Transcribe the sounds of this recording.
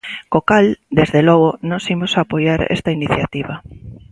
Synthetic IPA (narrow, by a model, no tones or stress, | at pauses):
kokald̪ezðelɔɣonosimosaːpojaɾḛst̪ainiθjat̪iβa